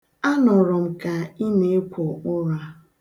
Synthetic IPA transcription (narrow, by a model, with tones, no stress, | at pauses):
a˦nɔ˨ɾɔ˨m̩˨ka˨i˦ne˨˦e˦kʷʰo˨ʊ˦ɾa˦